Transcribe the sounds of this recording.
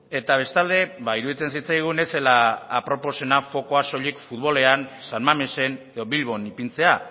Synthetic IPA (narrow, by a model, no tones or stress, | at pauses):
e̞t̪aβ̞e̞st̪ald̪e̞βaiɾuðit͡se̞nsit͡sajɣ̞une̞se̞laːpɾo̞po̞se̞nafo̞ko̞aso̞ʎikfuðβo̞le̞ansanmamese̞ne̞ðo̞βilβo̞nipint͡se̞a